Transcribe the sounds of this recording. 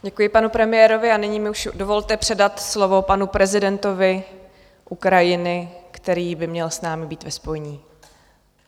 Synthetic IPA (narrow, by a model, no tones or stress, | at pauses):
ɟɛkujɪpanupɾɛmɪjɛːɾo̞vɪanɪɲiːmɪuʃdo̞vo̞lt̪ɛpr̝̥ɛdat̪slo̞vo̞panupɾɛzɪdɛnt̪o̞vɪ | ʔukɾajɪnɪkt̪ɛɾiːbɪmɲɛlsnaːmɪbiːt̪vɛspo̞jɛɲiː